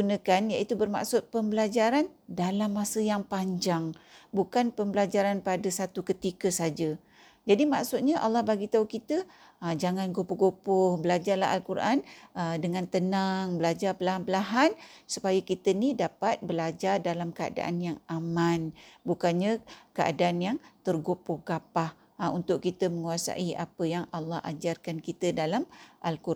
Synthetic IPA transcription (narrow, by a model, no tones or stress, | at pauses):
ɡunəkanjaʔit̪ubərma̰ksʊt̪̚pəmbəlad͡ʒaɾandalamːasəjaŋpaɲd͡ʒaŋbukanpəmbəlad͡ʒaɾanpadəsat̪ukət̪ikəsad͡ʒa | d͡ʒadimaksʊt̪̚ɲaʔa̰lːɑhbaɡit̪aukit̪ə | d͡ʒaŋanɡopoɡopʊhbəlad͡ʒarla̰ɦa̰lkuɾʔanədəŋant̪ənaŋbəlad͡ʒarpəlaɦanpəlaɦansupajəkit̪ənidapat̪̚bəlad͡ʒardalamkəa̰da̰ʔa̰njaŋamanbukanɲakəʔa̰daːnjaŋt̪ərɡopʊhɡapah | unt̪ʊʔkit̪əməŋuasa̰ʔiapəjaŋɑlːɑha̰d͡ʒarkankit̪ədalamʔalku